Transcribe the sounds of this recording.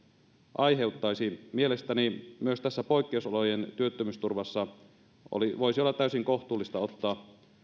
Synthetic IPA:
ʔɑjɦe̞uwt̪ːɑjsimie̞lest̪ænimyøst̪æsːæpo̞jkːeusolojent̪yøt̪ːømyst̪urʋɑsːɑ | o̰liʋoisiolːɑt̪ːæysiŋko̞ht̪ˑuːlːist̪ɑo̞t̪ːɑː

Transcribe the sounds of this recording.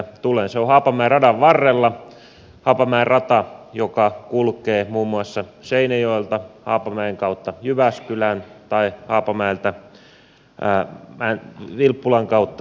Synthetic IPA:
t̪ulenseohɑːpɑmæerɑdɑʋʋɑrːelːɑ | hɑːpɑmæerrɑt̪ɑjokɑkulkeːmuːmːuɑsːɑseinejoelt̪ɑhɑ̰ːpɑmæeŋkɑut̪ːɑjyʋæskylænt̪ɑihɑːpɑmæelt̪æ | mænʋilpːulɑŋkɑut̪ːɑ

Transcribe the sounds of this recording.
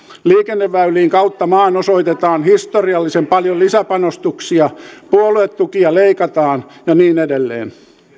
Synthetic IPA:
liːkenːeʋːæyliːŋkɑut̪ːɑmɑːnosoit̪et̪ɑːnhist̪oriɑlːisempɑljolisæpɑnost̪uksiɑpuoluet̪t̪ukiɑleikɑt̪ɑːnjɑniːnedelːḛːn

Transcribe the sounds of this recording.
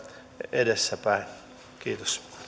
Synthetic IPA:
edesːæpæin | kiːt̪o̥s

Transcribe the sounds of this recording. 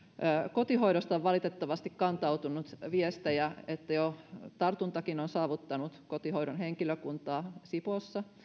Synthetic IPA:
kot̪iɦoiɾost̪ɑoʋʋɑlit̪et̪ːɑʋɑst̪ikkɑnt̪ɑut̪unut̪ʋiest̪ejæet̪ːæjot̪ɑrt̪unt̪ɑkinonsɑːʋut̪ːɑnut̪kot̪ihoijɾonɦeŋkiløkunt̪ɑːsiposːɑ

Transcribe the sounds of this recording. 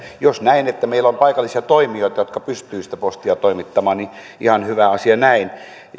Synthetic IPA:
josnæinet̪ːæmeilːompɑikɑlːˑisiɑt̪oimioˑit̪ɑjot̪kɑpyst̪yːsi̥t̪æpost̪iɑt̪oimit̪ːɑmɑːnni | ʔihɑnhyʋæɑsiɑnæin

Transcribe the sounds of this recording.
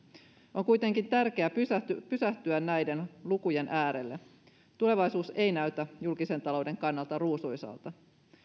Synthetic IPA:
ʔo̞ŋkujt̪e̞ŋkint̪ærk̟e̞æpypysæht̪yænnæjde̞nlukuje̞nʔæːɾe̞lːe | t̪ule̞ʋɑjsuːse̞jnæɥt̪æjulkise̞nt̪ɑlo̞wde̞ŋkɑnːɑlt̪ɑruːsujsɑ̰ːlt̪ɑ

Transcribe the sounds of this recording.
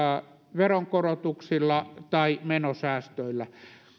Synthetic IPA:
ʋeroŋkorot̪uksilːɑt̪ɑimenosæːst̪øilːæ

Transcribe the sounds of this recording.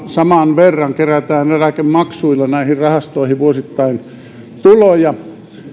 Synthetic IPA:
sɑmɑnʋerːɑŋkeræt̪æːnelækemmɑksuilːɑnæˑihirrɑhɑst̪oihiʋuosit̪ːɑin | t̪ulojɑ

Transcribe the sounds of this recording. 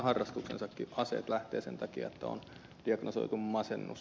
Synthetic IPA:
hɑrːɑst̪uksensɑkːiʔɑsḛːt̪læht̪ḛːsent̪ɑkiɑ̰et̪ːæo̰n | d̥iɑɡ̥nosoit̪ummɑsenːṵs

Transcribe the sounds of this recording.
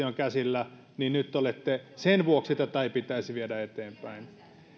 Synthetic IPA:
ioŋkæsilːæ | ninnyt̪ːolet̪ːesenʋuoksit̪ːæt̪ɑipit̪æisiʋiedæet̪eːmpæin

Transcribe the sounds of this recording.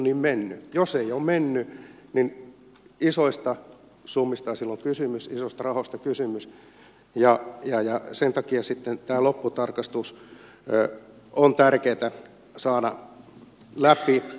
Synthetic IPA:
niːmmenːyjoseiommenːynin | isoist̪ɑ | sumːist̪ɑɑsilːoŋkysymysisost̪ɑrɑhost̪ɑkysymys | jɑjɑjɑsent̪ɑkiɑsit̪ːent̪æːlopːut̪ɑrkɑst̪us | ont̪ærkeːt̪æ | sɑːdɑ̰ | læpi

